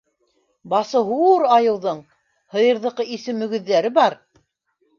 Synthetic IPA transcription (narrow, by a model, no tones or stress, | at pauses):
bɑsɤɦuɾɑjɤ̆wðɤɴ | hɤ̆jɤ̆ɾðɤ̆qɤisɘmɵ̆ɡɵ̆ðːæɾɘbɑɾ